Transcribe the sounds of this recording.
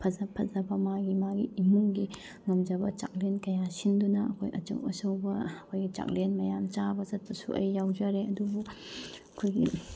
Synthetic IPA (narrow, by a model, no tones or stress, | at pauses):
pʰɐzɐpʰːɐzɐbɐmaɡimaɡiimuŋɡi | ŋɐmd͡ʒɐbɐt͡ʃa̰k̚lenkɐjasindunɐɐkʰojʔɐt͡ʃɐ̰wɐsɐwbɐɐkʰojɡit͡ʃa̰k̚lenmɐjamt͡ʃabɐzɐt̚pɐsṵʔɐ̰jːawd͡ʒaɾeɐdubuɐkʰojɡḭ